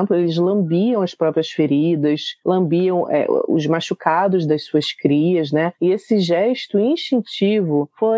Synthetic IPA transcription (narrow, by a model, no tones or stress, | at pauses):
mplʊelɪzlɐ̃mbiɐ̃w̃ɐspɾɔpɾiɐsfeɾid̪ɐslɐ̃mbiɐ̃w̃ʔɛ̰ʔʊ̰zmaʃukʰad̪ʊzd̪ɐsuɐskɾiɐznɛɪesɪʒɛʃt̪ʊĩʃt͡ʃĩnt͡ʃivʊfo